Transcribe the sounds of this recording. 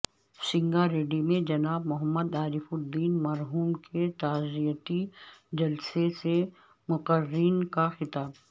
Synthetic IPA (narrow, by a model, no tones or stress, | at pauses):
sɪ̃ŋɡaɾeːɖimẽd͡ʒɐnaːbmʊɦəmːəd̪aːɾɪfʊd̪ːiːnmɐɾɦuːmket̪aːzijt̪id͡ʒɐlsese | mʊqəɾːiːnkaxɪt̪aːb